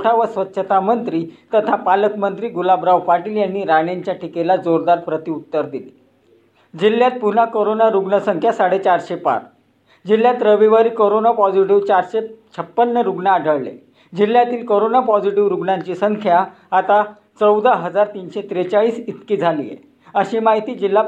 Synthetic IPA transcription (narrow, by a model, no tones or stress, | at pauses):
ʈʰaʋəsʋət̪ːɕʰət̪ʰamənt̪ɾiːt̪ət̪ʰapaləkmənt̪ɾiːɡulabɾaʋpaʈiːljanːiːɾaɳjaɲt͡ɕjaʈʰikelad͡zoɾd̪aɾpɾət̪iut̪ːəɾd̪ili | d͡ʑiljat̪̚punakoɾonaɾuɡɳəsəŋkʰjasaɽet͡ɕaɾɕepa̰ɾ | d͡ʑilːjat̪ɾəʋiʋaɾiːkoɾonapɔd͡ʑiʈiʋt͡ɕaɾɕet͡ɕʰəpːənːəɾuɡɳaːɖʱəɭlḛ | d͡ʑil̤ːjat̪iːlkoɾonapɔd͡ʑiʈiʋɾuɡɳaɲt͡ɕiːsəŋkʰjaː | t̪a | t͡səwd̪aɦəd͡zaɾt̪iːnɕet̪ɾet͡saɭiːsit̪kiːd͡zʱalḭːjḛ | əɕiːmaɦit̪iːd͡ʑilːa